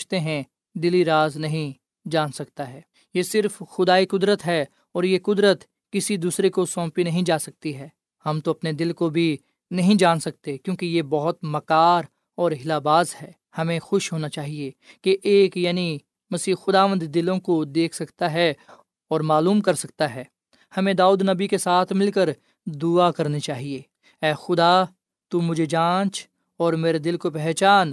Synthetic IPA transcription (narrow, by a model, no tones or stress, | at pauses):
t͡ʃt̪eɦɛ̃ | d̪ɪliɾaːznɐɦĩ | d͡ʒaːnsɐk̚t̪aɦɛː | jesɪɾfxʊd̪aːikʊd̪ɾət̪ɦɛ | ɔːɾjekʊd̪ɾət̪ | kɪsid̪uːsɾekosɔ̃ːpinɐɦĩd͡ʒaːsɐk̚t̪iɦɛː | hɐmt̪oɐpned̪ɪlkobʱi | nɐɦĩd͡ʒaːnsɐk̚t̪ekjõːkejebɐɦʊt̪mɐkaːɾ | ɔːɾɦɪlaːbaːzɦɛː | hɐmẽxʊʃɦoːnat͡ʃaːɦiekeʔeːkjaːni | mɐsiːɦxʊd̪aːʋə̃nd̪d̪ɪlõkod̪eːkʰsɐkt̪aɦɛ | ɔːɾmaːluːmkɐɾsɐkt̪aɦɛː | hɐmẽd̪aːuːd̪nɐbikesaːt̪ʰmɪlkəɾ | d̪uakɐɾnet͡ʃaːɦieː | ɛːxʊd̪a | t̪umʊd͡ʒʱed͡ʒãːt͡ʃ | ɔːɾmeːɾed̪ɪlkopɛɦt͡ʃaːn